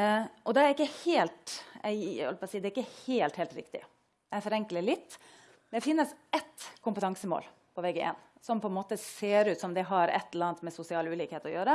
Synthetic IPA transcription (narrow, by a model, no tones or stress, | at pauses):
ʔɔd̪ɛæɾɪkːəheːlt̪æ̰ɪhɔ̰lpɑsiːd̪ɛɾɪkːəheːlt̪heːlt̪ɾɪ̰kt̪ɪ̰ | d̪ɛæfɔɾɛŋkləlɪt̪ː | d̪ɛfɪnːəsʔɛt̪kʰʊmpət̪ʰɑŋsəmo̰ːl | pʰɔʋɛɡəʔḛn | sɔmpʰɔɛnmoːt̪əseːɾʉːt̪sɔmd̪ɛɦɑɾɛ̰t̪ːɛləlɑnt̪mɛsʊsɪɑːlʉːliːkeːt̪ɔjøːɾə